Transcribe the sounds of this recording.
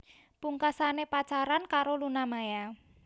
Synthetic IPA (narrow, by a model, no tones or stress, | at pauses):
puŋkasanepat͡ʃaɾankaɾolunamaja